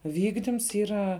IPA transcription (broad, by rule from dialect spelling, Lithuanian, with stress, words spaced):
ˈʋʲiːɡdʲɪms ˈiːrɐ